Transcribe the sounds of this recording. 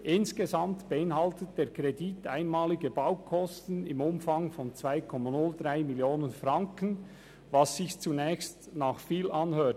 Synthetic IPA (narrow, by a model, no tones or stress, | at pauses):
ʔɪnsɡ̥ezamtb̥eɪnɦɑltət̚d̥eːɾkʰɾeditʰaɪnmaːlɪɡəbaʊkʰɔstn̩ɪmʊmfɑŋfɔnt͡sv̥aɪkʰɔmanʊldraɪmiljoːnənfrɑŋkən | vasːɪçt͡sunɛːçst | naːχfiːlʔɑnhøːt